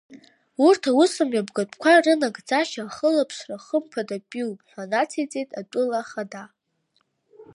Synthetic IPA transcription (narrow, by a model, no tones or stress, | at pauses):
urtʰawusɨmɥabɡatʷʰʼkʷʰarɨnaɡʼd͡zʼaʃaχəlapʰʂraχəmpʰadapʼiwpʼħʷanat͡sʰejt͡sʼejtʼatʷʼʊlaχada